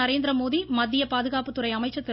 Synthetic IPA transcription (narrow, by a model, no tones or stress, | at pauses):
ɐɾeːnd̪ɾɐmoːðimɐd̪ːɪjɐpaːðɯɣaːpɯt̪ːʊɾɐɪɐmɐɪt͡ʃːɐt̪ːɪ